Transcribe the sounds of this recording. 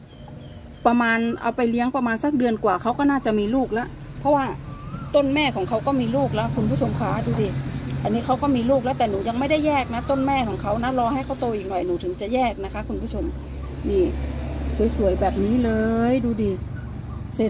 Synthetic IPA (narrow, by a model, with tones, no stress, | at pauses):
pɾa˧maː˧nʔa̰˧wpa˧jli˦˥əŋpa˧maː˧nsa˧˥˩k̚dɯ˧ənkwaː˨˩kʰa˦˥wkɔː˥˩naː˥˩t͡ɕa˨˩miː˧luː˥˩k̚la˦˥ʔ | pʰɔ˦˥waː˥˩t̪o˥˩nmɛː˥˩kʰɔː˩˦ŋkʰa˦˥wkɔː˥˩miː˧luː˥˩k̚lɛ˦˥˩kʰu˧npʰuː˥˩t͡ɕʰo˧mkʰaː˩˦duː˧diː˧˩ʔa˧nːiː˦˥kʰa˦˥wkɔː˥˩miː˧luː˥˩k̚lɛː˦˥wt̪ɛː˨˩nuː˩˦ja˧ŋma˥˩jda˥˩jːɛː˥˩k̚na˦˥t̪o˥˩˨nmɛː˥˩kʰɔː˩˦ŋkʰa˦˥wna˦˥lɔː˧ha˥˩jkʰa˦˥˩wt̪o˧ʔiː˨˩k̚nɔ˨˩jnuː˩˦t̪ʰɯ˩˦ŋt͡ɕa˨˩jɛː˥˩k̚na˦˥kʰa˦˥kʰu˧npʰuː˥˩t͡ɕʰo˧m | niː˧˩su˨˩˦jsu˨˩˦jbɛː˨˩p̚niː˦˥lɤː˧jduː˧diː˧˩ | se˨˩